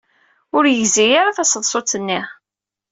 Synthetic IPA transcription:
ʊɾjəzijaɾaθæsðˤsˤot͡sːənːi

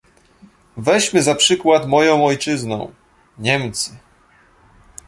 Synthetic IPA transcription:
vɛɕmɘzapʂɘkwat̪mɔjɔ̃w̃ɔjt͡ʂɘznɔ̰̃w̃ | ɲɛmt̪sɘ

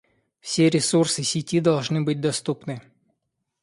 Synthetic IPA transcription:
fsʲeɾʲɪsursɨsʲɪtʲid̪ɐlˠʐnɨbɨt̚ʲd̪ɐst̪upnɨ

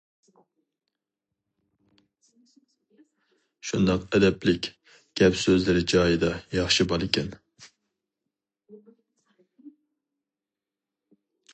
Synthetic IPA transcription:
ʃund̪ɑqɛd̪ɛplɪkʲ | ɡ̥ʲɛpsøzlɪɾɪd͡ʒɑːjid̪ɑjɑχʃibɑlˠɪkʲʰɛn

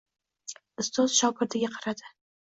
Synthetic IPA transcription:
ɪst̪ɒzʃɒwkʲɪɾd̪ɪɡʲaqʰɑɾad̪ɪ

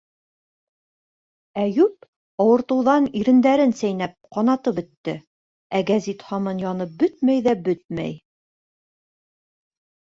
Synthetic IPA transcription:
æjʉp̚ | ɑwɤ̆ɾt̪ɤ̆wðɑniɾɘ̆nd̪æɾɘnsæjnæp̚qɑnɑt̪ɤpbɵ̆t̪ːɘ | æɡæzit̪χɑmɤnjɑnɤp̚bɵt̪mæjðæbɵt̪̚mæ̰j

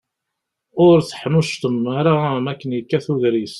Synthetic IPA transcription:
ʊɾθə̥ħmʊʃt̪əmːaɾamækːənjəkːæθuðɾis

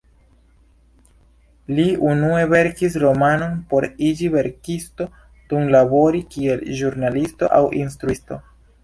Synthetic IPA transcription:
liunue̞ve̞ɾkis̬ɾo̞mano̞npo̞ɾid͡ʒive̞ɾkisto̞ | dunlabo̞ɾikie̞lʒuɾnalisto̞̰ʔa̰wʔḭnstɾuisto̞̰

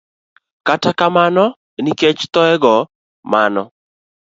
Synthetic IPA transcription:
katakamanɔ | niket͡ʃt̪ɔɛɡɔ | manɔ

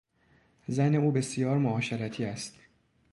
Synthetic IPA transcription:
zæne̞uːbe̞sijɒːɾmoɒːʃeɾæt̪ʰiːæst̪

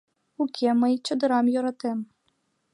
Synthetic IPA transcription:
ukʲʰemɤjt͡ɕɔd̪ɤ̆ɾɑmjoɾɑt̪em

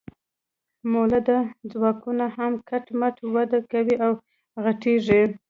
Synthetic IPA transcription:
molad̪ad͡zwɑkunahamkaʈmaʈwad̪akawiʔaw | ɣaʈeʐi

